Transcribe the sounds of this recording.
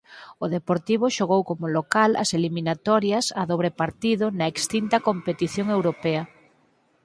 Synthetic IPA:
ʊðepoɾt̪iβ̞ʊʃoɣowkomʊlokalɐ̰seliminat̪ɔɾjɐsɐðoβɾepaɾt̪iðʊnɐekst̪int̪ɐkompet̪iθjoŋewɾopɛɐ

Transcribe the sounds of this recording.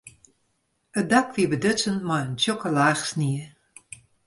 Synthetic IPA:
ədakʋiəbədøt͡sənmɔjəntjokəlaːxsniə

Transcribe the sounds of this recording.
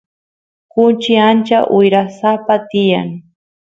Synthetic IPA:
kʊnt͡ʃɪant͡ʃaʔʊjɾasapat̪ɪja̰ŋ

